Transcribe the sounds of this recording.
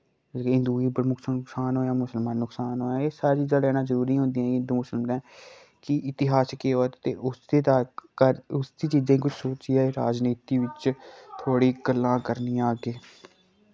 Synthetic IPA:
ɪ̃nd̪uːiːbəɾmʊksnʊksaːnɦoːjaːmʊsəlmãːnʊksaːnɦoːjaːeːsaːɾet͡ʃiːzãːlɛːnãːzəɾuːɾiːɦʊ̃nd̪iːãɛ̃ːɪ̃nd̪uːmʊsəlmd̪ɛ̃ː | kɪʔɪt̪ɪɦaːskeːoːt̪eːʔʊd̪eːt̪aːkəɾʊsd̪iːt͡ʃiːzãiːkʊt͡ʃʰsoːt͡ʃiːaːeːɾaːd͡ʒniːt̪iːʋɪt͡ʃt̪ʰoːɽiːɡəlːãːkəɾniːãːɡeː

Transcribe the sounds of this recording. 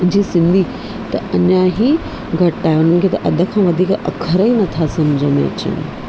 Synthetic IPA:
d͡ʑiːsɪ̃nd̪ʱiː | t̪ɐɐɲãɦi | ɡʱɐʈːaːɦeʊn̤ənɪ̆kʰeːt̪ɐʔɐd̪ʱə̆kʰãːʋɐd̪ʱiːkɐ̰kʰəɾəĩnɐt̪ʰasɐmd͡ʑʱənḛɐ̰t͡ɕə̰nɪ̰

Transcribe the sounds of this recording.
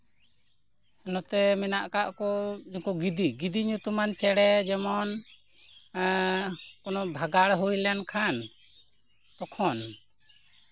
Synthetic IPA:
ɔnɔt̪ɛmɛnaʔkaʔkɔd͡ʒɔkuɡid̪iɡid̪iɲut̪umant͡ʃɛɽɛd͡ʒɛmɔn | kɔnɔbʱaɡaɽɦujlankʰan | t̪ɔkʰɔn

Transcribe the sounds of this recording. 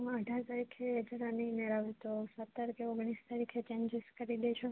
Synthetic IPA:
mãəɖʱaɾt̪aɾikʰeɛd͡ʒɾanineɾaʋet̪osət̪ːəɾkeoɡɳist̪aɾikʰet͡ʃẽnd͡ʒeskəɾid̪et͡ʃʰe

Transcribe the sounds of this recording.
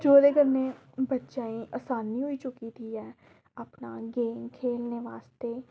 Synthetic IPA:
d͡ʒoːɾeːɡəɾneː | bətːʃaːĩːʔaːsaːniːɦoit͡ʃʊkit̪ʰiːɦɛː | əpnaːɡeːmkʰeːlneːʋaːst̪eː

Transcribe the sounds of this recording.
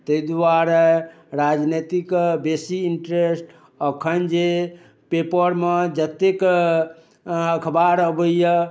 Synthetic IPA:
t̪əid̪aɾɛ | ɾad͡ʒnet̪ikbesiiɳʈɾesʈ | əkʰənd͡ʒe | pepəɾmed͡ʒət̪ek | əkʰbaɾəbəjə

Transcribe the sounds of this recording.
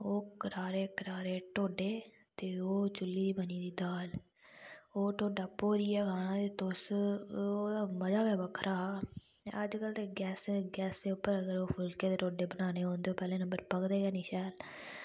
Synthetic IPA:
oːkəɾaːɾeːkəɾaːɾeːʈoːɖeː | t̪eːoːt͡ʃʊlːiːd̪iːməniːd̪iːd̪aːl | oːʈoːɖaːpoːɾiːjaːkʰaːnãːt̪eːt̪ʊs | oːd̪aːməd͡ʒaːkɛːʋəkʰɾʔaː | əd͡ʒkəlt̪eːɡɛːsɡɛːsd̪eːʊpːəɾəɡəɾoːpʰʊlkeːd̪eːʈoːɖeːbənaːneːɦõːnd̪eːoːpɛːlẽːnə̃mbəɾpəkd̪eːɡɛːniːʃɛːl

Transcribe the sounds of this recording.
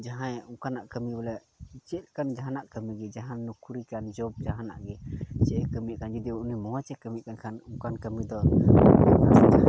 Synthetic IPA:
d͡ʒaɦãjukanaʔkəmibɛlɛ | t͡ʃɛt̪̚kand͡ʒaɦanaʔkəmiɡɛd͡ʒaɦãnukuɾikand͡ʒɔb̚d͡ʒaɦana̰ʔɡɛt͡ʃɛʔɛkəmikand͡ʒud̪iunimɔɦat͡ʃɛkəmikankʰanukankəmid̪ɔ | nasd͡ʒa

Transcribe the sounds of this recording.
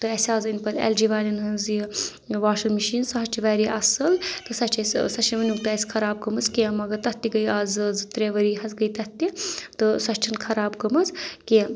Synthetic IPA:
t̪ɨɐsʲaːzinpɐt̪ʲḛld͡ʒiʋaːlʲinɦɐnzi | ʋaːʃɐlmiʃiːnsɐɦɐt͡ʃʰiʋaɾiʔɐsɐlt̪ɨsɐt͡ʃʰɐssɐt͡ʃʰiʋɐnuk̚t̪aːsʲkʰɐɾaːb̚ɡɐmɐt͡skemɐɡɐɾt̪ɐt̪ːiɡɐjaːzzɨt̪ɾeːʋɐɾiɦɐzɡəjt̪ɐt̪ːit̪ɨsɐt͡ʃʰinkʰɐɾaːbɡɐmɐt͡ske

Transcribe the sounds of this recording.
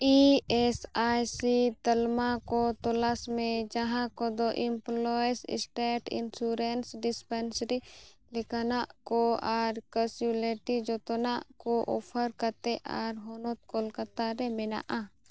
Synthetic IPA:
iesaːjsit̪əlmakot̪olasmẽd͡ʒɐɦãkod̪oʔɪmploːsɪ̰sʈeːʈɪ̰nsuɾensɖɪspensɾilɪkanaʔkoaːɾkəsuleʈid͡ʒot̪onaʔkoʔo̰ːpʰəɾkət̪eʔaɾɦonot̪̚kolkət̪aɾemɪna̰ʔa

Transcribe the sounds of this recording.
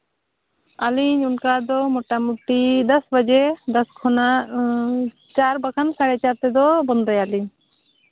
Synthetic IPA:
aliɲunkad̪ɔmɔʈamuʈid̪asbad͡ʒɛd̪askʰɔnaʔ | t͡ʃaɾbakʰansaɾɛt͡ʃaɾt̪ɛd̪ɔbɔnd̪ɔjaliɲ

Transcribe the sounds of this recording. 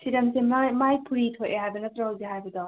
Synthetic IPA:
siɾɐmsemajmajpʰuɾitʰojʔeɦajbɐnɐt̪ɾɐɦawzeɦajbɐdɔ

